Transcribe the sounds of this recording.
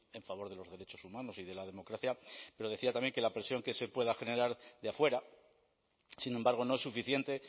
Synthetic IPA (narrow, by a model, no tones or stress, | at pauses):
e̞ɱfaβo̞ɾðe̞lo̞zðe̞ɾe̞t͡ʃo̞sumãno̞siðe̞laðe̞mo̞kɾaθjape̞ɾo̞ð̞e̞θiat̪amjeŋke̞lapɾe̞sjo̞ŋke̞se̞pwe̞ðaxe̞ne̞ɾaɾðeafwe̞ɾa | sinẽ̞mbaɾɣ̞o̞no̞e̞sːufiθje̞nt̪e̞